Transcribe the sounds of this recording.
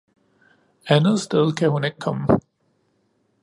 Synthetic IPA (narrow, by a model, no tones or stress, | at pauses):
ænð̞̩ˠsd̥eð̞ˠkʰæhune̝ɡ̥əkʰɒ̽mə